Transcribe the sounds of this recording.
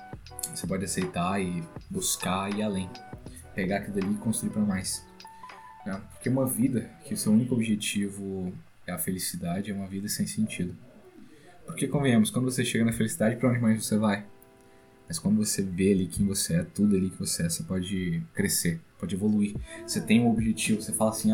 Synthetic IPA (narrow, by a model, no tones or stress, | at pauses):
osepɔd͡ʒɪasejt̪aɪbuskaɪalẽj̃ | peɡaakild̪ɐliɪkõst̪ɾuiɾpɾɐmajs | nɛpoɾkeũmɐvid̪ɐkɪosewũnikʊobiʒet͡ʃivʊ | ɛɐfelisid̪ad͡ʒɪɛũmɐvid̪ɐsẽj̃sẽnt͡ʃid̪ʊ | poɾkekõvẽj̃ẽmʊskwɐ̃nd̪ʊvos̬eʃeɡɐnɐfelisid̪ad͡ʒɪpɾɐõd͡ʒɪmajzvosevaj | mɐskwɐ̃nd̪ʊvosevealikʰẽj̃voseɛt̪ud̪ʊɐlikɪvoseɛvosepɔd͡ʒɪkɾesepɔd͡ʒɪevoluiɾoset̪ẽj̃ũobiʒet͡ʃivʊsefalasĩa